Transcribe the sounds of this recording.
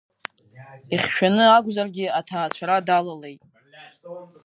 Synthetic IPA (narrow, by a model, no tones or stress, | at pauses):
iχʲʃᶣanɨaɡʷzarɡʲɪatʰaːt͡ɕʷʰaɾadalale̞jtʼ